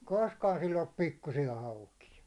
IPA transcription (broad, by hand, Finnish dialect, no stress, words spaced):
koskɑːn silː olːup pikːusijɑ hɑukijɑ